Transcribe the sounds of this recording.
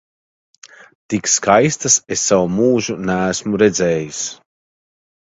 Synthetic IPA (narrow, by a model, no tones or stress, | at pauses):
t̪ikskajst̪asesːawumuːʒunæːsmuɾed̪zɛːjis